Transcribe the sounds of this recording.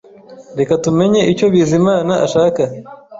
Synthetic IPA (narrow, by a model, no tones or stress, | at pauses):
ɾe̞katume̞ɲe̞ʔico̞βizimaːnaʔaʃaːka